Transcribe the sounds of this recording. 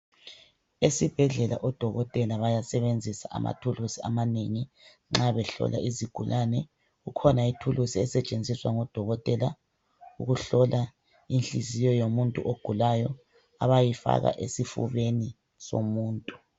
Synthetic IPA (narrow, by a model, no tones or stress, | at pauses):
esib̥ʱɛɮɛla̰ʔɔd̥ʱɔɣɔtʼɛlaβajasɛβend͡zʱisaʔa̰ma̰tʰulusiamaneŋi | ŋ͡ǁaβɛɬɔ̰lʔa̰iziɡ̥ʱulʔanɛ | ɣukʰɔnaitʰulusiɛsɛt͡ʃʼend͡zʱiswaŋɔd̥ʱɔɣɔtʼɛla | uɣuɬɔlʔa | inɬizijɔjomuntʼṵʔoɡ̥ʱulajɔ | aβajifa̰ɣa̰ʔesifṵβeni | so̰muːntʼu